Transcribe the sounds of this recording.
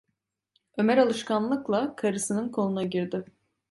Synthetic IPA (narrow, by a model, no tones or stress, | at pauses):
ø̞mæɾalˠɯʃkʰanlˠɯklˠakʰaɾɯsɯnɯnkʰo̞nunaɟiɾd̪ɪ